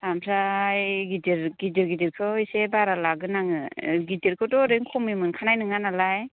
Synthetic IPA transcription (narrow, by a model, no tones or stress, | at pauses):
amʰɾajɡidiɾɡidiɾɡidiɾkʰɯisebaɾalaɡɯnaŋɯɡitiɾkʰɯdɔɾeŋkʰɔmimɯnkʰanajnɯŋanalaj